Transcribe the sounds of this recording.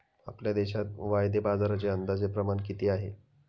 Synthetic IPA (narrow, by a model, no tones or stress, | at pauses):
a̰pljad̪eɕat̪̚ʋajd̪ebad͡zaɾat͡ɕeənd̪ad͡zepɾəmaɳkit̪iːaɦḛ